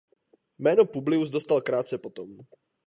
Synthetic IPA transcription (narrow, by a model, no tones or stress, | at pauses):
mɛːnopublɪuzd̪ost̪alkɾaːt̪t͡sɛpot̪om